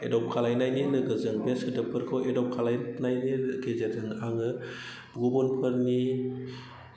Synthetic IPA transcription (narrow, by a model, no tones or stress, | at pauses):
edɔp̚kʰalajnajninɯɡɯzɯŋbesɯdɯpʰɯɾkʰɯwʔedɔp̚kʰalajnajniɡezetʰɯŋaŋɯ | b̥ɡuɡunpʰɯɾni